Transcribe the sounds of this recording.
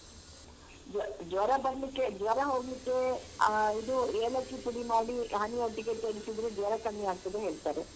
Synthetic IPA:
d͡ʒd͡ʒ̪ʋɐɾɐbɐɾɐlikːed͡ʒ̪ʋɐɾɐɦoːɡlikːe̞ | id̪ueːlɐkːipuɽimaːɽiɦɐnioʈːiɡekɐɾisid̪ɾed͡ʒ̪ʋɐɾɐkɐɳːiaːɡ̚t̪ɐd̪eɦeːɭt̪aːɾe

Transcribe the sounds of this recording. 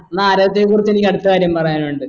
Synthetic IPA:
nːaːɾɐɐt̪ːekːuːrit͡ɕːe̞nikʲːɐɽut̪ːɐkaːɾjɐmpɐrɐjaːnuɳɖɨ

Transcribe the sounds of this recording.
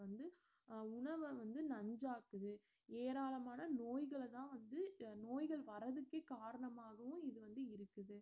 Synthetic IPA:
ɐnd̪ɯ | ʊɳɐʋɐʋɐnd̪ɯnɐɲd͡ʒaːkɯðɯ | eːɾaːlɐmaːnɐnoːjɣɐɭt̪ãːʋɐnd̪ɯnoːjɣɐɭʋɐɾɐðɯkːeːkaːɾɐɳɐmaːɣɐʋʊ̃ɪðɯʋɐnd̪ɯɪɾɯkːɯðɯ

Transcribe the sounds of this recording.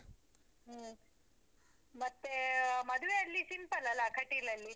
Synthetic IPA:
ɦə | mɐt̪ːeməd̪ʱʋeɐlːisimpəlalakʰɐʈilɐlːi

